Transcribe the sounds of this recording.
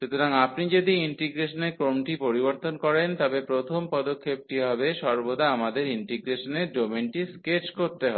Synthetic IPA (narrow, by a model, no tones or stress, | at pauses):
ʃut̪ʰoɾaŋapnid͡ʑod̪iiɳʈiɡɾeʃoneɾkɾomʈipoɾiboɾt̪onkɔɾent̪ɔbepɾot̪ʰompɔd̪okʰːep̚ʈiɦɔbeʃɔɾbod̪aamad̪eɾiɳʈiɡɾeʃoneɖɾominʈiskeɾt͡ɕkoɾt̪eɦɔe